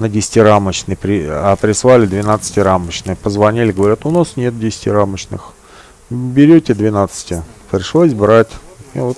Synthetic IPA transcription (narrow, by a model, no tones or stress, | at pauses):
nədʲɪsʲtʲɪɾamət͡ɕnɨjpɾʲɪɐp̪ɾʲɪsvˠalʲɪd̪vʲɪnat̪sɨ̥tʲɪɾamət͡ɕnɨjəpəzvɐnʲilʲɪɡəvɐɾʲat̪ʊnasnʲet̪̚dʲɪsʲɪ̥tʲɪɾamət͡ɕnɨ̰x | bʲɪɾʲotʲɪd̪vʲɪnat̪sɨ̥tʲɪpɾʲɪʂlˠosʲbɾatʲmʲevot̪